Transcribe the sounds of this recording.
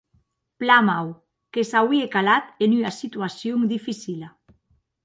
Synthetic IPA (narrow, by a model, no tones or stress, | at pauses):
plamaw | kesawiekalat̪enyasit̪yasjoŋd̪ifisila